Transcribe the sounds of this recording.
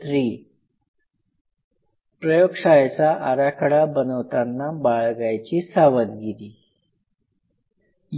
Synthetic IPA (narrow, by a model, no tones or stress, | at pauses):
t̪ɾiː | pɾəjoɡʂajt͡saʔaɾakʰəɽabənəʋt̪anːabaɭɡajt͡ɕiːsaʋənɡiliː | j